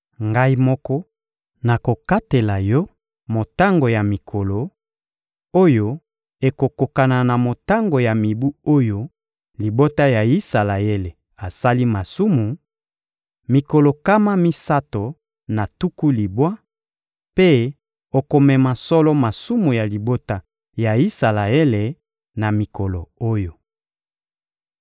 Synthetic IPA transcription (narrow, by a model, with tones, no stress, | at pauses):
ŋɡa˦i˦mɔ˦kɔ˦ | na˨ko˨ka˦te˨la˨jɔ˦ | mo˨ta˦ŋɡo˨ja˨mi˨kʰo˨lo˨ | o˦jo˦ | e˨ko˨ko˨ka˨na˨na˨mo˨ta˦ŋɡo˨ja˨mi˨bu˦o˦jo˦ | li˨bo˦ta˦ja˨i˦sa˨la˨je˦le˨ | a˨sa˦li˦ma˨su˦mu˨ | mi˨ko˨lo˨ka˦ma˦mi˦sa˦to˨ | na˨tu˦ku˦li˨bwa˦ | pe˦ | o˨ko˨mɛ˨ma˨sɔ˦lɔ˦ma˨su˦mu˨ja˨li˨bo˦ta˦ | ja˨i˦sa˨la˨e˦le˨ | na˨mi˨kɔ˨lo˨o˦jo˦